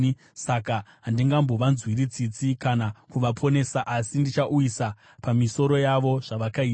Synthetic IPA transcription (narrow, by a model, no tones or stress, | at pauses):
sakaɦandiŋɡambo̞ʋanzwiɾit͡sit͡sikanakuʋapʰo̞ne̞saʔasindit͡ʃaʔuisa | pamiso̞ɾo̞jaʋo̞ʐ̥aʋakai